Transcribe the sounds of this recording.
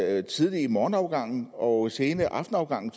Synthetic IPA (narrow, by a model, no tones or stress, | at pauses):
t͡sʰiðˠlimɒːn̩ɑ̈ʊɡ̥ɑ̈ŋ̰n̩ɒ̽se̝ːnəʔɑ̈fd̥n̩ɑ̈ʊɡ̥ɑ̈ŋ̰n̩